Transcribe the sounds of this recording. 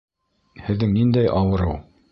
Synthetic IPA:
hɘ̆ðːɘŋnind̪æjʔɑwɤ̆ɾɤw

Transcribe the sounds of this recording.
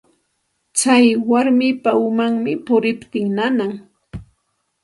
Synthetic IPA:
t͡sajwaɾmɪpaʊmaŋmɪpʊɾɪpt̪ɪŋnanaŋ

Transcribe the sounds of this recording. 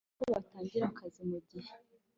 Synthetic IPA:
koβataːɲɟiɾakʰazimuɟihe

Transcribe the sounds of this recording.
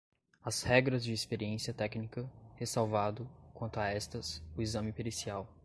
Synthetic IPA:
ɐzhɛɡɾɐzd͡ʒɪːspeɾiẽsiɐt̪ɛknikɐhesawvad̪ʊkwɐ̃nt̪ʊaɛst̪ɐsʊizɐ̃mɪpeɾesiaw

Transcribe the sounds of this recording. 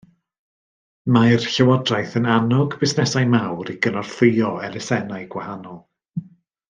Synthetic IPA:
majrɬɛwɔdrajθənanɔɡbɪsnɛsajmawɾiɡənɔr̥θɨɨɔɛlɪsɛnajɡ̥wahanɔlˠ

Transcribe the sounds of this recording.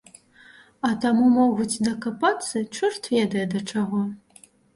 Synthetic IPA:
ɐt̪amumɔɣut͡sʲd̪ɐkapat̪sːɨt͡ʂɨrt̪vʲɛd̪ɐjɐd̪ɐt͡ʂaɣɔ

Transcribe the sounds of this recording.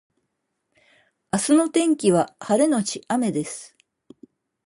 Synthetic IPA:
asɨno̞t̪ẽ̞ŋkʲiβ̞ahaɾe̞no̞t͡ɕiame̞d̪e̞sɨ̥

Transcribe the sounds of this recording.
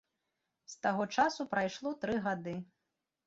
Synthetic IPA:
st̪aɣɔt͡ʂasupɾajʂlˠɔt̪ɾɨɣad̪ɨ

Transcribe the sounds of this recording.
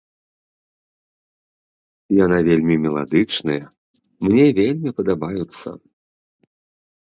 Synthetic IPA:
janavʲelʲmʲimʲɛlˠa̰d̪ɨt͡ʂnɨjɐ | mnʲevʲelʲmʲipɐd̪abajut̪sːɐ̰

